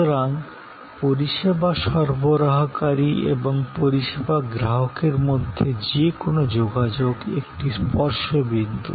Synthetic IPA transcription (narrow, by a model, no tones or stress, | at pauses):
oɾaŋ | poɾiʃebaʃɔɾboɾaɦokaɾiḛboŋpoɾiʃebaɡɾaɦokeɾmod̪ʱːed͡ʑekonod͡ʑoɡad͡ʑoɡḛkʈispɔɾʃobid̪ʱṵ